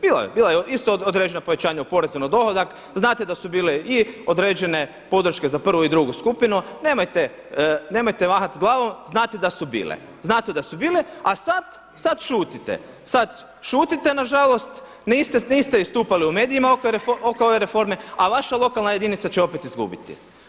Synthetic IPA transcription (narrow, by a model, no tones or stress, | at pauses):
b̥iːlˠa̰j̰biːlˠajeist̪ood̪ɾeːd͡ʒenopoʋe̞t͡ɕaːɲaupo̞ɾezonod̪o̞hod̪ak | znaːt̪ed̪asubiːleiod̪ɾe̞ːd͡ʒe̞ne̞ | po̞d̪ɾ̩ʃke̞zapr̩ʋuid̪ɾuɡuskupinune̞ːmajt̪e | ne̞ːmojt̪eʋaxat̪zɡlˠaːʋo̞mznaːt̪ed̪asubḭːlḛ | znaːt̪ed̪asubiːleasat̪ | sad̪ʃuːt̪it̪ḛ | sad̪ | ʃuːt̪it̪e̞naʒalo̞st̪ | nist̪eniːst̪eist̪uːpaliumeːd̪iimaokeɾefokooʋe̞ɾefo̞ɾme̞aʋaʃalˠo̞kalˠnaje̞d̪init̪sat͡ɕeo̞pe̞t̪izɡṵbḭt̪ḭ